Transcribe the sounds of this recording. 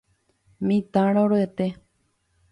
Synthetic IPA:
mĩt̪ãɾ̃õɾoet̪e

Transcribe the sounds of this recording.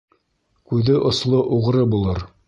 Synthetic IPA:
kʉðɘʔŏslˠoʔuʁ̆ɾɤbulˠɤɾ

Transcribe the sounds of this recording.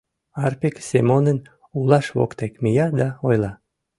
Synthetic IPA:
ɑrpeksemonən | ulɑʃβo̰kt̪ekmijɑd̪ɑojlɑ

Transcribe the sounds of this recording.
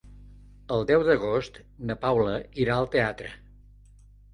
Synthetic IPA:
əlˠd̪ɛwðəɣ̞ost̪ | nəpawləiɾaəlˠt̪eat̪ɾə̰

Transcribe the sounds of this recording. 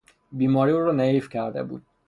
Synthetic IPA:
biːmɒːɾiːuːɾɔneiːfcʰæɾd̪ḛbṵːd̪̥̚

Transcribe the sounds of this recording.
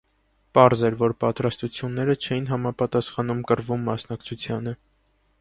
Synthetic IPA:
pɑɾzɛɾvɔɾpɑt̪ɾɑst̪ut͡sʰjunːɛɾət͡ʃʰɛjinɦɑmɑpɑt̪ɑsχɑnumkəɾvumːɑsnɑkt͡sʰut͡sʰjɑnə

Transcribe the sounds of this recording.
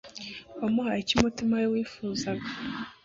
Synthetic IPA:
omuhaecimutimajowiːfuːzaɡa

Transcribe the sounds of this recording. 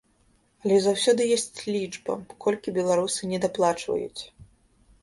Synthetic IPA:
ɐlʲɛzawsʲɔd̪ɨjɔsʲt͡sʲlʲid͡ʐbɐ̰kɔlʲkʲibʲɛlˠaɾusɨnʲɛd̪aplˠat͡ʂvɐ̰jṵt͡sʲ

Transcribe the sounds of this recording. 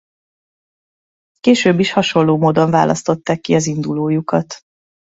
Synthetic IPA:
keːʃøːbːiʃhɒʃo̞lːoːmoːd̪o̞ɱva̰ːlʔɒ̰st̪o̞t̪ːaːkːiɒzind̪uloːjukɒt̪

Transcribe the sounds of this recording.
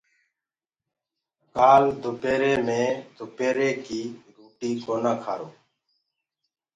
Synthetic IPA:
kaːld̪ʱʊpeːɾeːmẽːd̪ʱʊpeːɾeːkiːɾuːʈiːkoːnaːkʰaːɾoː

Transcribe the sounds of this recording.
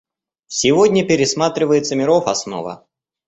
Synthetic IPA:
sʲɪvodʲnʲəpʲɪɾʲɪsmat̪ɾʲɪvəjɪt̪səmʲɪɾofɐsno̰və̰

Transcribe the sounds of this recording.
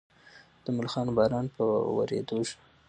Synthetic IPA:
d̪̥əmʊlxɑnbɑɾɑnpəwa̰ɾḛd̪oʒ

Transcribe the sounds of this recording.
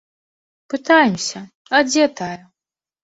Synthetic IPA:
pɨt̪ajɛmsʲɐ | ɐd͡zʲɛt̪ajɐ

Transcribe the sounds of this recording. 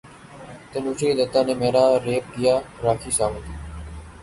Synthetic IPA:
t̪enuːt͡ʃʰiːd̪ət̪aːneːmeːɾaːɾeːp̚kɪjaːɾaːkʰiːsaːʋə̃ːt̪iː

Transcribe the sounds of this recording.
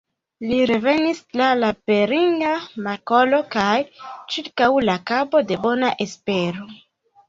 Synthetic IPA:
liɾe̞ve̞nislalape̞ɾiŋɡamako̞lo̞kajt͡ʃiɾkawlakabo̞de̞bo̞naʔe̞spe̞ɾo̞

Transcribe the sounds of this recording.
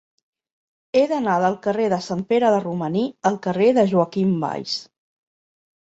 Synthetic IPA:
eðənaðəlˠkəreðəsampeɾəðəruməniəlˠkəreðəʒuəkimba̰js

